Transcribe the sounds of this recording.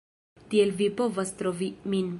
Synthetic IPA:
t̪ielvipo̞vast̪ɾovimin

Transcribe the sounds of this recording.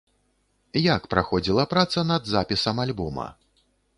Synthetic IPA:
jakpɾaxɔd͡zʲilˠɐpɾat̪sɐnɐd̪zapʲisɐmalʲbɔmɐ̰

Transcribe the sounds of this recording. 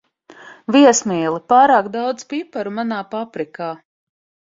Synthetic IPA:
viɛsmiːlˠipaːɾaːkd̪awd̪zpipaɾumanaːpapɾikaː

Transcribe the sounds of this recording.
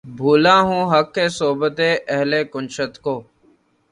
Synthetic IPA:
bʱuːlãːɦũːɦəkːeːsoːbət̪eːʔəɦleːkʊnt͡ʃət̪koː

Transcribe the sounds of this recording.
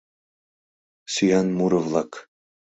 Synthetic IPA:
syjanmuɾəvlˠɑk

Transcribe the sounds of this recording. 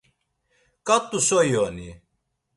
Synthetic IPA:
kʼat̪ʼːusɔjɔni

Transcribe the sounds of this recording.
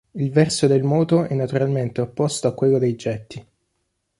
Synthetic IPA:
ilvɛrsod̪elmɔːt̪oɛnːat̪uɾalment̪eopːɔst̪oakːwelːod̪ejd͡ʒɛt̪ːi

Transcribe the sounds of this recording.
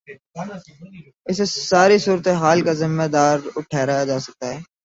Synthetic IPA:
ɪsesaːɾisuːɾət̪eɦaːlkazɪmːed̪aːɾʊʈʰɛːɾaad͡ʒaːsɐk̚t̪aɦɛː

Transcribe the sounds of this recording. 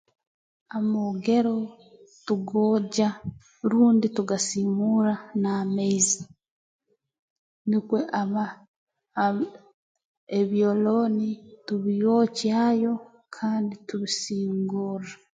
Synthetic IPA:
amoɡe̞ɾo̞ | tuɡoːɟa | ɾuːndituɡasimuɾanaːmeizi | nikweʔaa | eβjolo̞ːnituβijocjaːjo̞ | kʰaːndituβisiːŋɡuːra

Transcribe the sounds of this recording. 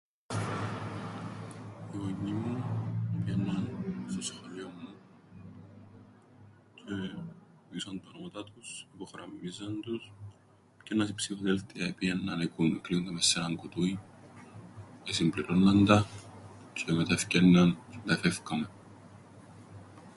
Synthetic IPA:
ioɲimːupienːɐnst̪osxɐʎiomːu | cʰe | isɐnt̪ɐnomɐt̪ɐt̪usipoxɾɐ̰mizɐnd̪us | cenɐsipsifoðelt̪iɐepiɐnːɐnekunekliond̪ɐmesːiɾɐŋkut̪ui | esimbliɾo̞nːɐnd̪ɐ | cʰemet̪ɐfcenːɐnd̪ɐfefkɐme̞

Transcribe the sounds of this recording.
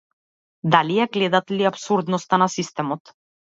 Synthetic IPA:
d̪alijaɡlɛd̪at̪liapsuɾd̪nɔst̪anasist̪ɛmɔt̪

